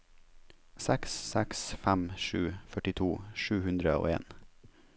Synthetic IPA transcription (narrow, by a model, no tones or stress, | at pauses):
sɛksːɛksfæmʃʉːfœʈɪt̪ʰuːʃʉːhʉnd̪ɾəo̰ːḛːn